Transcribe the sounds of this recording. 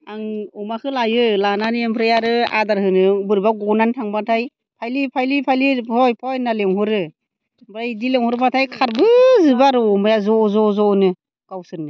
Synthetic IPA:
aŋɔmakʰɯlajɯlananempʰɾejaɾɯa̰daɾhɯnɯbɯɾbaɡɔnantʰaŋbatʰaj | pʰajlipʰajlipʰajlihɔjpʰɔjnaleŋhɔɾɯ | bɾajdileŋhɔɾmatʰajkʰaɾbɯzɯbaɾɯɔmajazɔzɔzɔnɯ | kawsɯɾnɯ

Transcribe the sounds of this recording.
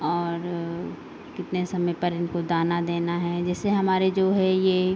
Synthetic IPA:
ɔːɾ | kɪt̪nesɐməjpɐɾɪnkod̪aːnad̪eːnaɦɛd͡ʒɛːseɦɐmaːɾed͡ʒoːɦɛjeː

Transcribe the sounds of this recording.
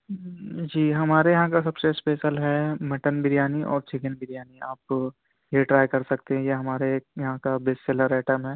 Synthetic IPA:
d͡ʒiːɦɐmaːɾejɐɦãkasɐbsespeːʃəlɦɛmɐʈənbɪɾjaːniʔɔ̰ːɾt͡ʃʰɪkənbɪɾijaːnia̰ːp | jeʈɾaːjkɐɾsɐkt̪ẽɦɛ̃jeɦɐmaːɾejɐɦãkabeːsseːləɾɛːʈəmɦɛː

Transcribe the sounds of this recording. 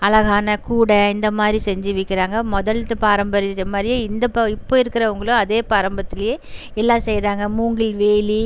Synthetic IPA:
ɐlɐɣaːnɐkuːɽɐɪnd̪ɐmaːd̪ɾisɛɲd͡ʒɯʋɪkːɪɾaːŋɡɐmɔðɐlt̪ɯpaːɾɐmbɐɾɪɾɐmaːɾɪjɪnd̪ɐpɪpːoːɪɾɯkːɪɾɐʊŋɡɐɭʊ̃ɐðeːpaːɾɐmbɐt̪ːɪlɐjeː | ɛlːãːsɛjɾaːŋɡɐmuːŋɡɪlʋeːli

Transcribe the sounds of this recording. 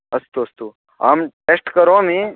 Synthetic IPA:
ɐst̪uɐst̪u | a̰mʈesʈkəɾoːmĩ

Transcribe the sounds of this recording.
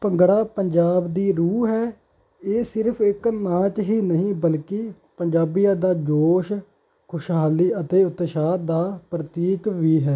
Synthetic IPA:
pəŋɡɽaːpəɲd͡ʒaːbd̪iːɾuːɦɛː | eːsɪɾpʰɪknãːt͡ʃɦiːnəɦĩːbəlkɪ | pəɲd͡ʒaːbijãːd̪aːd͡ʒoːʃ | kʰʊʃɦaːliːət̪eːʊt̪ʃaːd̪aːpɾət̪iːkʋiːɦɛː

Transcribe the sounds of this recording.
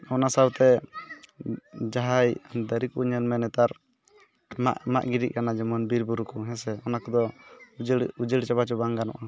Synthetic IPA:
ɔnasawt̪ɛ | d͡ʒaɦajd̪əɾikuɲənmɛnɛt̪aɾ | a̰ʔma̰ʔɡiɾiʔ̚kanad͡ʒɛmɔnbiɾbuɾukɔɦɛ̃sɛɔnakɔd̪ɔ | ud͡ʒəɽt͡ʃabat͡ʃɔbaŋɡanɔ̰ʔa

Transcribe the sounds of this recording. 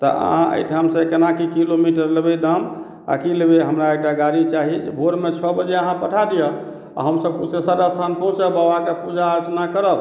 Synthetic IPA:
t̪ɔ̰ə̰ɦãʔə̰jʈʰamsekənakikilomiʈəɾləbed̪əm | a̰kilebeɦəmɾaekʈaɡaɾit͡ʃaɦid͡ʒbʱoɾmet͡ʃʰɔbəd͡ʒeəɦãpəʈʰad̪ijɔ | a̰ɦəmsəb̚kusesaɾast̪ʰanpə̃ɦũt͡ʃəbabakepud͡ʒaːɾət͡ʃnakəɾəb

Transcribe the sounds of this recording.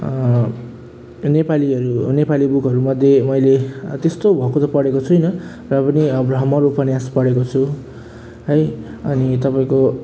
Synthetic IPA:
nepaliʌɾunepalibukɦʌɾumʌd̪ʱjemʌjlet̪est̪obʱʌkot̪ʌpʌɽekot͡sʰujnʌ | rʌpʌnibrʌɦmʌɾupʌnjaspʌɽekot͡sʰu | ɦʌjʌnit̪ʌpaĩko

